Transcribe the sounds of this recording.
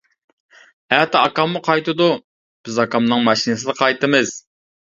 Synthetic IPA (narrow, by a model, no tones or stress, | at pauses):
æt̪ɑkɑmːʊqʰɑjt̪ɨd̪u | b̥ɪzɑkɑmnɨŋmɑʃinɨsɨd̪ɨqʰɑjt̪ɨmɨz̥